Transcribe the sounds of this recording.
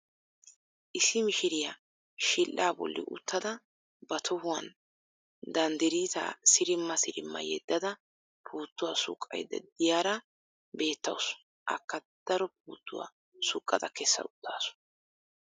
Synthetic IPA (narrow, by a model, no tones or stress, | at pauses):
ʔɪsːɪmɪʃɪɾɪja | ʃɪlʔaːbɔ̰lːɪ̰ʔʊ̰t̪ːɐd̪ɐ | bɐt̪ʰɔhʊwɐn | d̪ɐnd̪ɛɾiːt̪a̰ːsɪɾɪmːɐsɪɾɪmːɐ̰jɛd̪ːɐd̪ɐ | pʰuːt̪ːʊwasʊ̰kʼːɐ̰jd̪ɐ̰d̪ɪjaːɾɐ | be̞ːt̪ːɐ̰ws | ʔɐ̰kːɐd̪̥ɐɾɔp̚uːt̪ːʊwa̰ | sʊkʼːɐd̪ɐkɛsːɐ̰ʊt̪ːaːsʊ̥